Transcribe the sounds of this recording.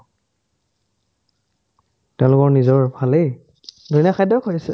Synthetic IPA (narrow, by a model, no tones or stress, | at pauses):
tɛʊ̃lʊkɔɹnizɔɹbʱalej | duinaxajdɔkʰojasɛ